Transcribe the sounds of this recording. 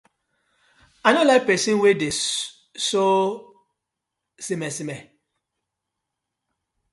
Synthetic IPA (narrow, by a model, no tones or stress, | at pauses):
anɔlapɛsĩnwede | so | simɛsimɛ